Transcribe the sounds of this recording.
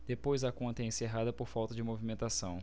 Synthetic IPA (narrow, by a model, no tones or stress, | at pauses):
d̪̥epojzɐkõnt̪ɐɛẽseɦad̪ɐpoɾfawt̪ɐd͡ʒɪmovimẽnt̪asɐ̃w̃